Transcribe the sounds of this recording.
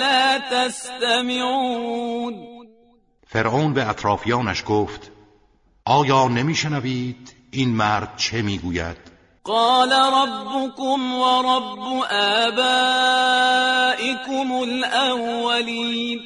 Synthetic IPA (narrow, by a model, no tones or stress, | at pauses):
laːt̪ast̪amɪʕuuːn | fe̞ɾʔoːnbeæt̪ʰɾɒːfijɒːnæʃɡoːft̪ | ʔɒːjɒːnemiːʃenæviːd̪̥ | iːnmæɾd̪̥̚t͡ʃʰe̞miːɡuːjæ̰d̪̥ | qɑːlaɾˤɑbːʊkʊmwɑɾˤɑbːʊʔaːbaː | ʔɪkʊmʊlʔawwaliːn